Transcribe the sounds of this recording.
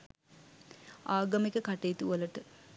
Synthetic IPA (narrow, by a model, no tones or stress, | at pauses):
aːɡɐmekəkaʈeːt̪uʋələʈə